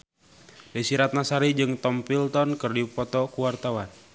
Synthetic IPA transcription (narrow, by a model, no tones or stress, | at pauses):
dasiɾat̪̚nasaɾid͡ʒɨŋt̪ɔmpilt̪ɔnkɨrdipɔt̪ɔkuwart̪awan